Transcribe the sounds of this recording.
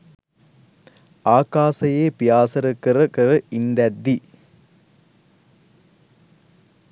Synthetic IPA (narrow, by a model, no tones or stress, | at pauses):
aːkaːsɐjeːpɪjaːsɐɾɯkːɯɾɯkɯɾɯind̪ɐd̪ːi